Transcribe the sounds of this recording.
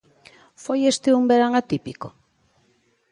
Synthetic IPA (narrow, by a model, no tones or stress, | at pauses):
fojest̪eumbeɾaŋat̪ipiko